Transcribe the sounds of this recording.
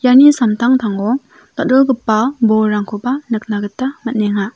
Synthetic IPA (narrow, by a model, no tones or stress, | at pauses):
janisamtʰaŋtʰaŋɔ | tat̚ɾɔlɡɯpːabɔɾaŋkʰobanɯk̚naɡɯtːamɐt̚neŋa